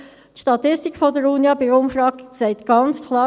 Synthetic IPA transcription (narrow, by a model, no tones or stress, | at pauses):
t̪ʃtɑt̪ɪstikfɔdəɾunjɑbɪɾʊmfɾɑːɡsɛɪt̪ɡ̥ɑnt͡skʰlˠɑː